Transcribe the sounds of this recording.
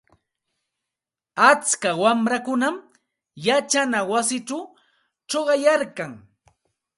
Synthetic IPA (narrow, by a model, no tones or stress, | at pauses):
at͡skawamɾakʊnam | jat͡ʃanawasɪʈ͡ʂaw | ʈ͡ʂoɢɑjaɾkaŋ